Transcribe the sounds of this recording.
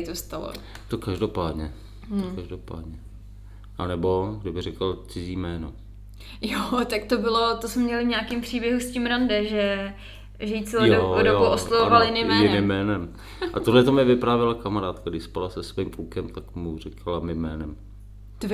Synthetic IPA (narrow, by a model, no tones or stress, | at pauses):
t̪ost̪alo̰ | t̪okaʒdopaːdɲɛ | aʒdopa̰ːdɲɛ | ʔanɛbo̞ɡdɪbɪrɛkalt͡sɪziːmɛːno | jot̪akt̪obɪlot̪osmɛmɲɛlɪvɲaːkimpr̝̥iːbjɛɦuscimɾandɛʒɛ | ʒɛjit͡sɪlojojoooʔoslɛvovaljɪnɪmɛjɪnnɪmːɛːnɛm | ʔat̪olɛt̪omɪvɪpɾaːvjɛlakamaɾaːt̪kaɡdɪʃspalasɛsviːmklukɛmt̪akmurɛkʰalamɪmɛːnɛm | d̪v